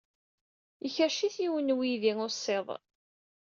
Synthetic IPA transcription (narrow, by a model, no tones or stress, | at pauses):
əçæʃiθiwənwiðiŋʊsˤːeðˤ